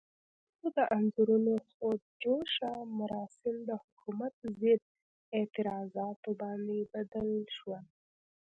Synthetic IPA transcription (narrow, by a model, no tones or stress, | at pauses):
od̪əʔanzuɾunoxod͡ʒoʃamʊɾɑsɪmd̪əhʊkumat̪̚zɪd̪̚ | et̪ɪɾɑzɑt̪obɑnd̪ebad̪əlʃwa